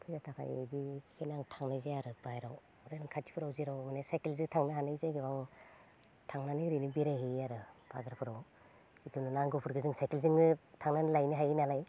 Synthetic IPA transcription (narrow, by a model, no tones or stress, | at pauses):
tʰuzatʰakʰa̰j̰dihʰenaŋtʰaŋnajzajaɾɯbajɾaw | ɾaɾɯŋkʰai̥pʰɯɾawziɾawmanesajkelzɯtʰaŋnɯɦanazajɡeba | tʰaŋnaniɾinibiɾajɦiaɾɯb̥azaɾpʰɯɾaw | sikʰinɯnaŋɡɯpʰɯɾɡɯzɯŋsajkelziŋɯtʰaŋnanlajniɦajinalaj